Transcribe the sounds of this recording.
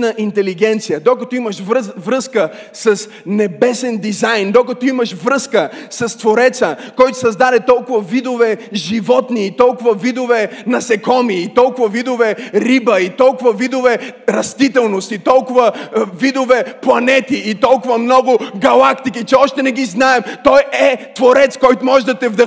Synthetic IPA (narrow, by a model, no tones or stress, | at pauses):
nəʔint̪ɛliɡɛnt̪sijəd̪okɐt̪ɔimɐʃvvɾəskə | sɐs | nɛbɛsɛnd̪izajnd̪okɐt̪ɔimɐʃvɾɤskəsɐst̪voɾɛt̪səkɔjt̪ʊ̥sɐzd̪ad̪ɛt̪ɔlˠkʊvɐvid̪ovɛʒivɔt̪niːt̪ɔlˠkʊvɐvid̪ovɛnɐsɛkɔmiːt̪ɔlˠkʊvɐvid̪ovɛɾibəit̪ɔlˠkʊvɐvid̪ovɛɾɐst̪it̪ɛlˠnost̪it̪ɔlˠkʊvəvid̪ovɛplˠɐnɛt̪iːt̪ɔlˠkʊvɐmnɔɡʊɡɐlˠakt̪ikit͡ʃɛɔʃt̪ɛnɛɡiznaɛmt̪ɔjɛt̪voɾɛt̪skɔjt̪ʊmɔʒɛd̪ɐt̪ɛvd̪ə